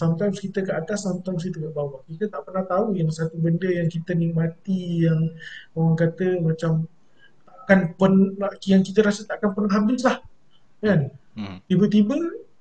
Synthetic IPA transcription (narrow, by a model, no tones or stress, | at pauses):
samt̪ajmskit̪əkəʔat̪asːamt̪ajms̬kit̪əkəʔbawaʔkit̪ət̪aʔpərnaht̪aujaŋsat̪ubəndəjaŋkit̪ənimat̪ijaŋowaŋkat̪əmat͡ʃam | akanpənjaŋkit̪əɾasət̪aʔkanpərnaɦabɪslah | kant̪ibət̪ibə